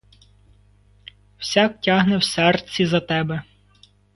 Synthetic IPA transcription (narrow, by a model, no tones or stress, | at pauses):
w̥sʲaktʲaɦnɛwsɛrt͡sʲizɐt̪ɛbɛ